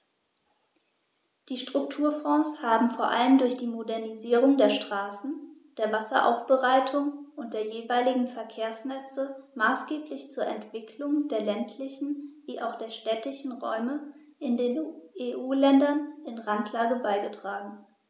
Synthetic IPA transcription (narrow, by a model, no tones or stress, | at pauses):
d̥iːʃtʁ̥ʊk̚tʰuːɐfɔ̃ːshaːbm̩foːɐʔa̰ləmdʊɐçd̥iːmodɛɐniziːʁʊŋdeːɐʃtʁ̥aːsn̩d̥eːɐvasɐ̰ʔa̰ʊfb̥əʁaɪtʰʊŋʔʊnt̚d̥eːɐjeːvaɪlɪɡŋ̩fɛɐkʰeːɐsnɛt͡səmaːsɡ̥eːplɪçt͡suːɐʔɛntv̥ɪkʰlʊŋdeːɐlɛntʰlɪçn̩viːʔa̰ʊxd̥eːɐʃtɛtɪçn̩ʁɔ̰ʏmə | ʔɪndeːneːʔuːlɛndɐnɪnʁantʰlaːɡəbaɪɡətʁ̥aːɡŋ̩